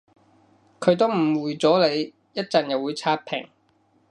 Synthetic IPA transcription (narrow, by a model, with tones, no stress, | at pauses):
kʰɵ˨˧ɥt̪o˥wm̩˨˩wuː˨jt͡sɔː˨˥le˨˧j | jɐ˥t̚t͡sɐ˨njɐ˨wːuː˨˧jt͡sʰaː˥t̚pʰɪ̰˨˩ŋ